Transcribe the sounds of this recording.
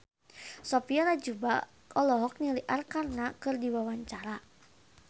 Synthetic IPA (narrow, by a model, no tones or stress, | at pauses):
sɔpiɔnad͡ʒuba | ɔlɔɦɔk̚niliʔarkarnakɨrdiwawaɲt͡ʃaɾa